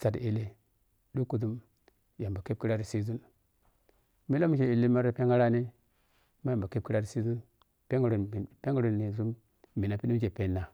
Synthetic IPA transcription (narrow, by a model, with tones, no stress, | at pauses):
sa˨di˨le˦ | du˦ku˨du˦m | ja˨mba˨ke˦p̚ki˦ɾa˦ɾi˨si˦zu˦n | mi˦lo˦m˦ke˨i˨li˦ma˦ɾo˦pe˦ŋa˦ɾa˦ni˦ | ma˦ja˨mba˨ke˦p̚ki˦ɾa˦ɾi˨si˦zu˦n | pe˦ŋɡa˨ɾo˨pe˦ŋɡu˦ɾo˨ni˨ɾu˦m | mi˨na˨pi˦ni˦m˦ʃe˨pe˦nːa˨